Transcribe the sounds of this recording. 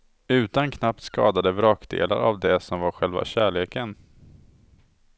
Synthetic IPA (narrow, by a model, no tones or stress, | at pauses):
ʉ̟ːt̪ankʰnap̚t̪skɑ̰ːd̪ad̪əvɾɑːkd̪ḛːla̰ɾavd̪ɛsɔmvaɾɧɛlva̰ɕæːɭeːkən